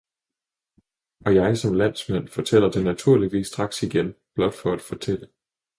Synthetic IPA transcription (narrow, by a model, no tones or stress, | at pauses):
ɒ̽jɑ̈ɪsɒ̽mlæn̰smen̰fɒ̽t͡sʰel̰ɐd̥e̝næt͡sʰuɐ̰liʋḭːsd̥ʁɑ̈ɡ̥siɡ̥enb̥lɒ̽d̥fɒ̽æd̥fɒ̽t͡sʰel̰ə